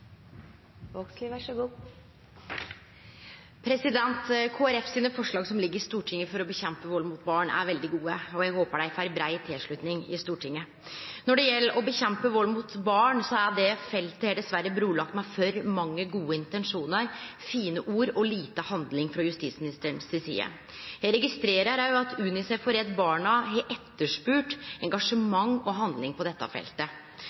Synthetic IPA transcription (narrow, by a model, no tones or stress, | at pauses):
ʋɔksliːʋæʂɔɡuː | pʰɾɛsɪd̪ɛnt̪kʰoːæɾɛfsiːnəfɔʂɭɑːɡsɔmlɪɡːəɾɪst̪uːʈʰɪŋːəfɔɾɔbəçɛmpəʋɔlːmʊːt̪̚bɑːɳæ̰ɾʋɛld̪ɪɡuːəɔjæɡhoːpəɖæɪfæɾbɾæɪt̪ʰɪlʂɭʉt̪nɪŋɪ̰st̪uːʈʰɪŋːə | nɔɖɛjɛlːəɾɔbəçɛmpəʋɔlmut̪bɑːɳsɔæɖɛfɛlt̪əhɛɖ̪ɛsʋæɾːəbɾuːlɑk̚t̪mɛfœɾmɑŋːəɡuːəɪnt̪ɛnʂuːnəɾfiːnəʔuːɾɔliːt̪əhɑnd̪lɪŋfɾɔjʉst̪it̪smɪnɪst̪əɳsɛsḭːə̰ | jæɪɾɛɡɪst̪ɾeːɾəɾæɪɑt̪ʉːnɪsɛfɔɾɛd̪bɑːɳɑɦɛʔɛt̪ːəʂpʉːʈɛŋɡɑʂəmɑŋːɔɦɑnd̪lɪŋpʰɔd̪ɛt̪ːɑ̰fɛ̰lt̪ə